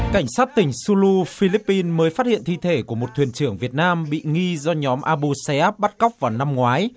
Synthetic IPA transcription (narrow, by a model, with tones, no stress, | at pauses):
ka˧˩jŋ̟saː˦˥t̚t̪ï˧˩ŋ̟su˧lu˧fi˧li˦˥pːi˧nməː˨˦jfaː˦˥t̚hḭ˧˨ənt̪i˧˨t̪ʰe˧˩ku˧˩əmo˨˩t̚t̪ʰwi˨˩ənt͡ɕɨ˧˩əŋvi˨˩ət̚naː˧mɓḭ˧˨ŋi˧zɔ˧ɲɔ˨˦mʔaː˧ɓu˧sɛ˧˦ʔaː˦˥p̚ɓa˦˥t̚kə˦˥wk͡p̚vaː˨˩wna˧mŋwaː˨˦j